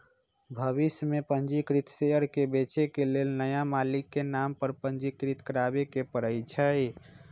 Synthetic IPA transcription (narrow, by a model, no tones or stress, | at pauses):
bʱəβismepənd͡ʒikɾit̪seəɾkebet͡ʃekelelnəjamalikːenampəɾpənd͡ʒikɾit̪kəɾabekepəɽəjt͡ʃʰəj